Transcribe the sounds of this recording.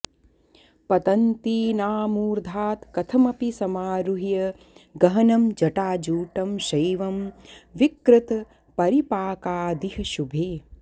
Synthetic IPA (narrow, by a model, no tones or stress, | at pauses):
pɐt̪ɐnt̪iːnaːmuːɾd̪ʱaːt̪kɐt̪ʰɐmɐpisɐmaːɾuɦijɐ | ɡɐɦɐnɐmd͡ʒɐʈaːd͡ʒuːʈɐmʃɐjʋɐmʋikɾɪt̪ | pɐɾipaːkaːd̪iɦɐʃubʱeː